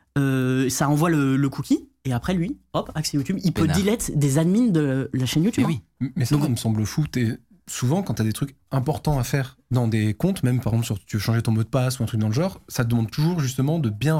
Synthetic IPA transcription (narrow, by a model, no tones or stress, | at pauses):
øsaʁɑ̃vwalələkʰukʲieapχɛlɥiɔpaksejut̪ybilpødd̪ilɛt̪d̪ezad̪mind̪əlaʃɛnjut̪ybimɛsd̪ɔkməsɑ̃bləfut̪e | suvɑ̃kɑ̃t̪yad̪et̪χyk | ɛ̃pɔʁt̪ɑ̃afɛʁd̪ɑ̃d̪ekɔ̃t̪mɛmpaʁeɡzɑ̃psyʁt̪yøʃɑ̃ʒet̪ɔ̃mɔd̪əpasuɛ̃t̪χykd̪ɑ̃ləʒɑ̃ːʁsat̪əd̪əmɑ̃d̪t̪uʒuʁʒyst̪əmɑ̃d̪əbjɛ̃